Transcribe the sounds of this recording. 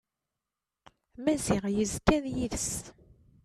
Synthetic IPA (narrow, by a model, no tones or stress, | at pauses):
mæziʁjəzkænjiðəs